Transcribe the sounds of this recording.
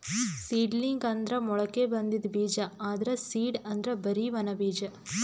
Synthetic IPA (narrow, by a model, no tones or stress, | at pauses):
siːɖliŋɡɐnd̪ɾɐmɔɭɐkːebɐnd̪id̪biːd͡ʒɐaːd̪ɐɾɐsiːɖɐnd̪ɾɐbɐɾiʋɐnɐbiːd͡ʒɐ